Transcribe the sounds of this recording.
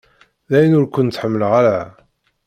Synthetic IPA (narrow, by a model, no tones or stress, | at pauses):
ðæjnʊɾkʷʊnt̪ːħəmːəlʁaɾa